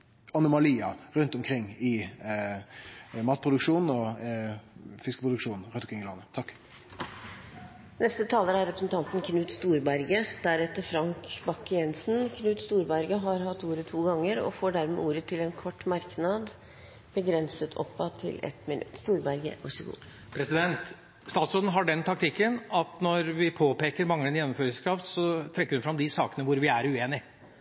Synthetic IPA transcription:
ɑnʊmɑliːɑɾʉnt̪ɔmkʰɾɪŋːɪ | mɑːt̪̚pʰʁʊd̪ʉkʂuːnn̩ɔ | fɪskəpʰʁʊd̪əkʂuːnn̩ɾʉnɔmkʰɾɪŋːɪlɑnːət̪ʰɑkː | nɛst̪ət̪ʰɑːləɾæɾɾɛpɾəsn̩t̪ɑnt̪nkʰnʉːt̪st̪uːɾbæɾɡəd̪̥æɾɛt̪ːəfɾɑŋkbɑkːɪɛnsnkʰnʉːt̪st̪uːɾbæɾɡəɦɑɾɦɑt̪ːuːɾət̪ʰuːɡɑŋːəɾɔ̰foːɖæɾmɛ̰ːuːɾət̪ʰɪlɛnkʰɔʈːmɑɾknɑd̪ | b̥əɡɾɛnsət̪ʰɔ̰pːɑt̪ʰɪ̰lɛ̰t̪mɪnʉ̰t̪ːst̪uːɾbæɾɡə̰ʋɑ̰ʂɔɡṵː | pʰɾɛsɪd̪ɛnt̪ | st̪ɑːt̪sɾoːd̪ən̩ɦɑɖɛnt̪ʰɑk̚t̪ʰɪkːənɑt̪nɔɾʋɪpʰoːpeːkəɾmɑŋːənjɛnːɔmføːɾɪskɾɑft̪sɔt̪ʰɾɛkːɾʉnfɾɑmd̪ɪsɑːkənəʋʊɾʋɪæɾʉeːnɪ

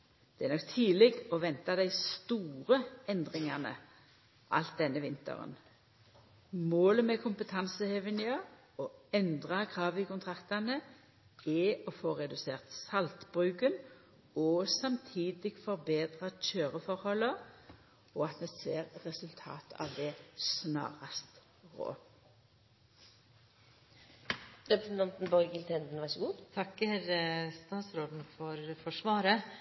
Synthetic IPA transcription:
d̪̥ɛɛʁnɔkt̪ʰiːlɪɡɔʋɛnt̪ɑd̪æɪst̪uːʁəɛnd̪ʁɪŋɑnə̰ | ʔɑ̰lt̪̚d̪ɛnːəʋɪnt̪ə̰ʁə̰n | moːləmɛkʰʊmpət̪ʰɑnsəheʋənɪə | ɔɛnd̪ʁɑɡʁɑːʋɪkʊnt̪ʰʁɑkt̪ɑnə | ɛɔfoːʁɛd̪ʉseːʁt̪sɑlt̪b̥ʁʉːkən | ɔsɑmt̪ʰiːd̪ɪɡ̥fɔʁbeːd̪ʁɑc͡çøːʁəfɔɾhɔlːə | ɔɑt̪mɛseːʁʁɛsʉlt̪ʰɑ̰ːt̪ɑ̰ʋd̪ɛsnɑ̰ːʁɑst̪ | ʁo̰ː | ɾɛpɾɛsn̩t̪ɑnt̪n̩bɔɾɡɪlt̪ʰɛnd̪n̩ʋɑɾʂəɡuːd̪t̪ʰɑkːɛɾəst̪ɑːt̪sɾoːd̪n̩fɔɾfɔʂʋɑːɾə

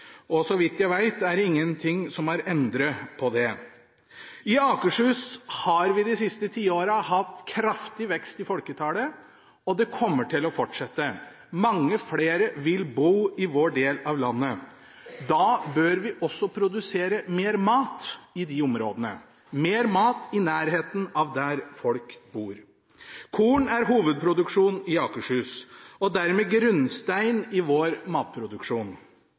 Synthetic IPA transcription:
ɔsɔʋɪt̪ːjæɪʋæɪt̪æɖɪŋːənt̪ʰɪŋsɔmæɾɛnd̪ɾəpʰɔd̪ɛ | ɪɑːkəʂhʉːshɑɾʋɪd̪ɪsɪst̪ət̪ʰiːoːɾəɦɑt̪ːkʰɾɑft̪ɪʋɛkst̪ɪfɔlkət̪ʰɑːlə | ɔd̪ɛkʰɔmːəʈʰɪlɔfɔʈʂɛt̪ːə | mɑŋːəfleːɾəʋɪlbuːɪʋoːɖeːlɑʋlɑnːə | d̪ɑːbøːɾʋɪʔɔsːɔpʰɾʊd̪ʉseːɾəmeːɾmɑːt̪ɪd̪ɪʊmɾoːd̪ənə | meːɾmɑːt̪ɪnæːɾɦeːt̪n̩ɑʋd̪æɾfɔlkbuːɾ | kʰuːɳæɾɦuːʋəd̪̚pʰɾʊd̪ʉkʂuːnɪɑːkəʂʉːsɔd̪æɾmeːɡɾʉnst̪æɪnɪʋoːɾmɑːt̪̚pʰɾʊd̪ʉkʂuːn

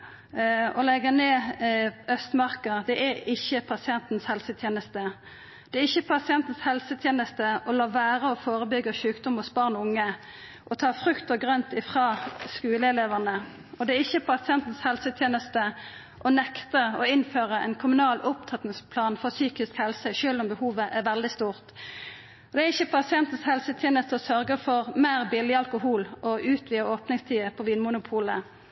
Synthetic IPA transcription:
ɔlɛɡəneː | œst̪mɑʁkəd̪ɛʔæɪçːəpʰɑsɪɛnt̪n̩shɛlsət̪ʰjeːnəst̪ə | d̪̥ɛːɪçːəpʰɑsɪɛnt̪n̩shɛlsət̪ʰjeːnəst̪əɔlɑːʋæːɾəɔfoːʁəbʏɡːəʃʉːkd̪ɔmɔsbɑʁnʊŋːə | ʔɔt̪ʰɑːfʁʉkt̪əɡʁœnt̪ɪfʁɑːskʉːləɛleːʋəʁnə | ɔd̪ɛæɪçːəpʰɑsɪɛnt̪n̩shɛlsət̪ʰjeːnəst̪ə | ʔɔnɛkt̪əɔɪnføːʁəɛ̰ɪnkʰʊmʉnɑːlʊp̚t̪ʰɑt̪n̩spʰlɑːnfɔʁsyːkɪskhɛlsəʃøːlʊmbəhuːʋəʔɛʁʋɛld̪ɪst̪uːʁt̪ | ɔd̪ɛæʁɪçːəpʰɑsɪɛnt̪n̩shɛlsət̪ʰjeːnəst̪əɔsœɾɡəfɔʁmeːʁbɪlɪɑlkʊhuːlɔʔʉːt̪ʰʋiːəoːpnɪŋst̪ʰiːəpʰɔʋiːnmʊnʊpʰuːlə

